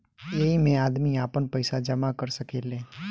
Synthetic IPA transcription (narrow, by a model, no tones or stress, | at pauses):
jeɦimẽaːd̪miaːpənpəɪsad͡ʒɐmakəɾsəkeːleː